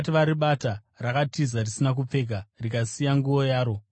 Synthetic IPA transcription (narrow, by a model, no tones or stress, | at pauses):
tiʋaɾiɓata | rakatizarisinak̬up͡fe̞ːkarikasijaŋɡuʋo̞jaːɾo̞